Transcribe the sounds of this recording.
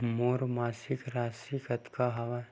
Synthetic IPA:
moːɾmaːsɪkɾaːsikɐt̪kaɦɐʋa

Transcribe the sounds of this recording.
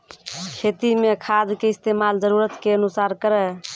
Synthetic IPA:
kʰet̪imekʰad̪keɪst̪emald͡ʒəɾuɾət̪keənusaɾkəɾɛ

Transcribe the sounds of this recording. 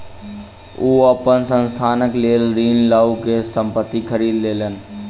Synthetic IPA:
uːəpənsə̃nst̪ʰaːnəkleːlɾiːnlaukesə̃mpət̪ːikʰəɾiːd̪leːlən

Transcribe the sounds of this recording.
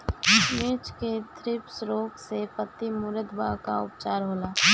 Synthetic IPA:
mɪt͡ʃket̪ʰɾɪpsɾoːksepət̪ːimʊɾəd̪baka̰ʊpt͡ʃaːɾɦoːlaː

